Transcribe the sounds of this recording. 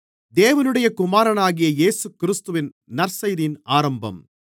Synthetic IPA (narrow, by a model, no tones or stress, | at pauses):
d̪eːʋɐnɯɽɐjɐkʊmaːɾɐnaːɣɪjɐjeːsɯkːɪɾɪst̪ɯʋɪn | nɐɾsɐjðiɪnaːɾɐmbɐ̰m